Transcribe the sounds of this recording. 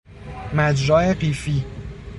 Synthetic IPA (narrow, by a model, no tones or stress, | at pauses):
mæd͡ʒɾɒːeɢiːfiː